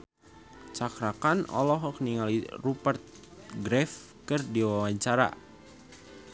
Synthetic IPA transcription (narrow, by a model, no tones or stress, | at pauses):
t͡ʃakɾakanɔ̰lɔɦɔkniŋalirupərt̪̚ | ɡɾɛf | kərdiwawaɲt͡ʃaɾa̰